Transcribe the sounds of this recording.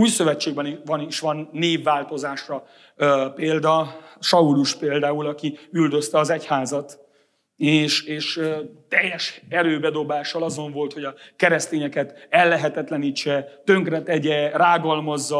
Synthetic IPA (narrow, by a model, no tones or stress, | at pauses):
uːjsøvɛt͡ʃːeːɡ̚bɛniʋɒniʃʋɒnːeːvːaːlt̪o̞zaːʃrɒ | peːld̪ɒʃɒuluʃpeːld̪aːulɒkiyld̪øst̪ɛɒzɛchaːzɒt̪ | eːʃeːʃøt̪ɛjːɛʃɛɾøːbɛd̪o̞baːʃːɒlɒzo̞ɱvo̞lt̪ho̞ɟɒkɛɾɛst̪eːɲɛkɛt̪ɛlːɛɦɛt̪ɛt̪lɛniːt͡ʃːɛt̪ø̞ŋkrɛt̪ɛɟɛraːɡɒlmɒzːɒ